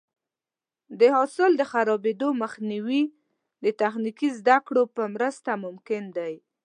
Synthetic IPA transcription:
d̪əɦɑsɪld̪əxaɾɑbed̪oməxniwi | d̪ət̪axnikizd̪akɽopəmɾəst̪amʊmkɪnd̪aj

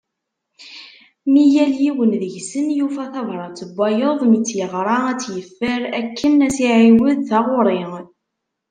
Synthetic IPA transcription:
mijæljiwənðəʝsənjufæθɑvɾˤɑt͡sːəbːɑjəðˤmit͡sːjəʁɾˤɑæt͡sːjəfːəɾækːənæsiʕiwəðθɑʁʊɾˤe

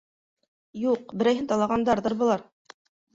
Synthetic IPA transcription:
juq̚bɘ̆ɾæjɦɘnt̪ɑlˠɑʁɑnd̪ɑɾðɤɾbɤ̆lˠɑɾ

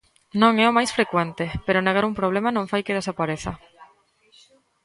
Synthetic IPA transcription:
nõŋɛomajsfɾekwent̪epeɾʊneɣ̞aɾumpɾoβ̞lemanõŋfajkeð̞esapaɾeθɐ

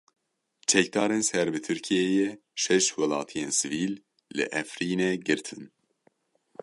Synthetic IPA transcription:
t͡ʃʰɛk̚d̪ɑːɾensɛɾbɨt̪ʰɨɾkʰijɛjɛ | ʃɛʃwɛlɑ̰ːt̪ʰijensɨviːlː | ɨ̰ʔɛfɾiːnɛɡɨɾt̪ʰɨn

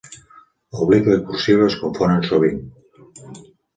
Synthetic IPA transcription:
oβlikləkursieskoɱfonənsuβiŋ

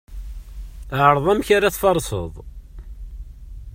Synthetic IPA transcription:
ʕəɾðˤæmçaɾaθfɑɾˤsə̰ðˤ

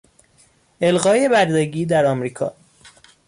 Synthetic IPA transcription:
ʔe̞lɣɒːje̞bæɾd̪eɡiːd̪æɾɒːmɾiːkʰɒ̰ː

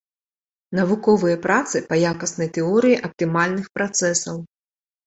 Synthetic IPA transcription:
nɐvukɔvɨjɐpɾat̪sɨpɐjakɐsnɐjt̪ɛɔɾɨjiʔɐp̚t̪ɨmalʲnɨxpɾat̪sɛsɐw

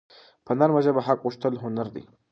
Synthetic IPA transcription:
pʰənaɾmaʒabaɦakɣuʂt̪əlɦʊnaɾd̪ḭ

